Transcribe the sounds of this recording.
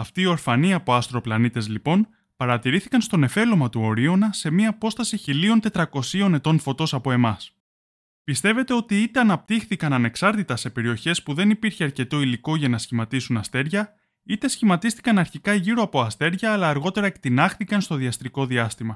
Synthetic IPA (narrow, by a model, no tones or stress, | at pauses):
ɐft̪iːo̞ɾfɐniɐpo̞ɐst̪ɾo̞plɐnit̪e̞zlipo̞n | pɐɾɐt̪iɾiθikɐnst̪o̞ne̞fe̞lo̞mɐt̪uo̞ɾio̞nɐse̞miɐːpo̞st̪ɐsiçilio̞nt̪e̞t̪ɾɐko̞sio̞ne̞t̪o̞nfo̞t̪o̞sɐpoe̞mɐs | pist̪e̞ve̞t̪e̞o̞t̪iit̪e̞ɐnɐp̚t̪ixθikɐnɐne̞ksɐɾt̪it̪ɐse̞pe̞ɾio̞çe̞spuðe̞nipiɾçeɐɾce̞t̪o̞iliko̞ʝɐnɐsçimɐt̪isunɐst̪e̞ɾʝɐ | it̪e̞sçimɐt̪ist̪i̥kɐnɐɾçikɐʝiɾoɐpo̞ɐst̪e̞ɾʝɐːlɐːɾɣo̞t̪e̞ɾɐekt̪inɐxθikɐnst̪o̞ðiɐst̪ɾiko̞ðiɐst̪imɐ